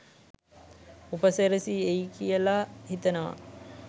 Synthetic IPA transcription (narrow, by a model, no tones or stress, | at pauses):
upəseɾesiejkijəlahit̪ənəʋa̰